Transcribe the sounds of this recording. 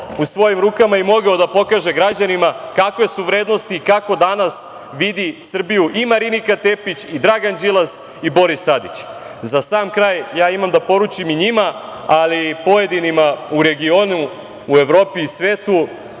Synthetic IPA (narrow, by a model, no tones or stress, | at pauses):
usʋo̞jimɾuːkamaimo̞ɡaod̪apo̞kaːʒe̞ɡɾad͡ʑanimakakʋe̞suʋɾe̞ːd̪no̞st̪iːkako̞d̪anas | ʋid̪isr̩bijuʔimaɾinikat̪e̞pit͡ɕid̪ɾaɡand͡ʒilˠas | ibo̞ɾist̪ad̪ḭt͡ɕ | zasaːmkɾaːjjaːimamd̪apo̞ɾut͡ʃimiɲima | alipo̞je̞d̪inimauɾe̞ɡio̞nuː | e̞ʋɾo̞ːpiːsʋe̞ːt̪u